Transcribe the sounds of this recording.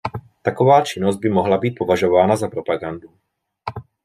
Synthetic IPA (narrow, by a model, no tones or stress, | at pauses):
t̪akovaːt͡ʃinɔzɟ̚bimɔɦlabiːt̪̚povaʒovaːnazapɾopaɡand̪u